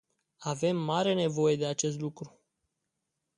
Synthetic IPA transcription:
ave̞mːaɾe̞ne̞vo̞je̞d̪e̞at͡ʃe̞s̬t̪lukɾu

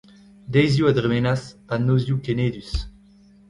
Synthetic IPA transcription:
d̪ɛjzjuad̪ʁemenaspanːoːzjukeneːd̪ys

